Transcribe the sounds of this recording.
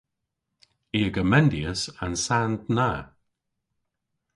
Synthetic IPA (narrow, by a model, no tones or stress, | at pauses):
iːəɡəmɛnd̪iəsa̰nsant̪naː